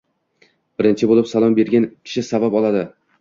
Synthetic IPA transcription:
b̥ɪɾɪnt͡ʃʰɪbolɪpsalˠɒmbe̞ɾɡʲankʲʰɪ̥ʃɪsabapɒlˠad̪ɪ

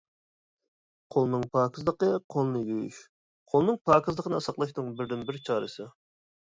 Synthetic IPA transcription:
qʰolˠnɨŋpʰɑːkʰɨzd̪ˠəqəqʰolˠnɨjʲøjy̰ʃ | qʰolˠnɨŋpʰɑːkʰɨzd̪ˠəqʰənɨɑsɑqlˠɑʃnɨŋbɪɾd̪ɪnbɪɾt͡ʃʰɑːɾɨsɨ

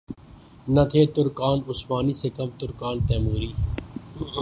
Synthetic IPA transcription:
nɐt̪ʰeːt̪ʊɾkaːnʊsmaːniːsekɐmt̪ʊɾkaːnt̪ɛːmuːɾiː

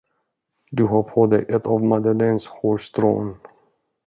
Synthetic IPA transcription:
d̪ɵɦɑɾpʰod̪ɛjʔɛt̪ːɑːvmad̪aleːnshoːʂt̪ɾo̰ːn

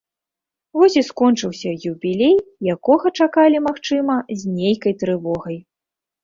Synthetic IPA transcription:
vɔsʲiskɔnt͡ʂɨwsʲɐjubʲilʲejjakɔɣɐt͡ʂakalʲimaxt͡ʂɨmɐzʲnʲejkɐjt̪ɾɨvɔɣɐj

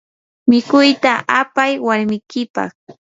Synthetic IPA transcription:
mɪkʊjt̪aʔapajwaɾmɪkɪpɑ̰χ

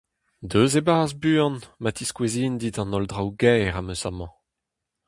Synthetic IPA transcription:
d̪øːzebaːzbyːɑ̃nmat̪iskweziːnd̪it̪ɑ̃nɔldʁawɡɛːʁamøsamɑ̃

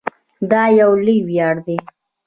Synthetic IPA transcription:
d̪ɑjawliwjɑɽd̪i

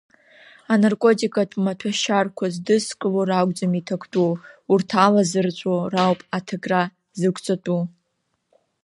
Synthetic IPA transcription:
anarkʷʼo̞tʼikʼatʰmatʰaʃarkʷʰazdɨskʼɨloɾaɡʷʼd͡zamitʰakʷʰtʼuurtʰalazɨrt͡ʃʷʼorawpʼatʰaɡra | zɨkʷʰʼt͡sʼatʼu

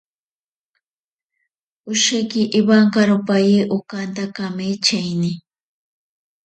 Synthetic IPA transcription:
ʊʃekiʔɪβaŋkaɾʊpajiʔʊkant̪akamet͡ʃajni

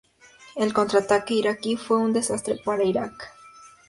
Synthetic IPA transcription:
elko̞nt̪ɾat̪akeiɾakifweund̪e̞sast̪ɾepaɾaiɾak

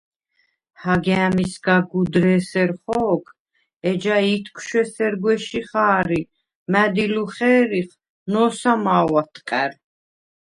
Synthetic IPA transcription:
haɡɛamisɡaɡud̪ɾɛsɛɾχɔːkʰ | ɛd͡ʒait̪ʰkʰʃwɛsɛɾɡwɛʃiχaːɾi | mæd̪iluχɛːɾiχ | nɔːsamaːwat̪ʰqʼɛɾ

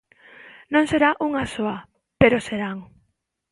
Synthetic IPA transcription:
nõŋseɾaʔuŋasoa | peɾoseɾaŋ

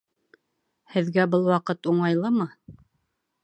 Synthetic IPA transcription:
hɘ̆ðɡæbɤlˠwɑqɤt̪uɴɑjlˠɤmɤ

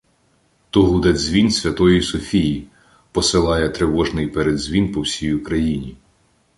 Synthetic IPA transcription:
t̪ɔɦud̪ɛzʲʋʲinsʲʋʲɐt̪ɔjisɔfʲiji | pɔsɪlˠɑjɛt̪ɾɪʋɔʒnɪjpɛɾed̪zʲʋʲinpɔwsʲijukɾɐjinʲi

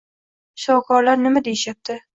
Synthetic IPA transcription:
ʃawkʰɒɾlaɾnɪmad̪ejɪʃjap̚t̪ʰɪ

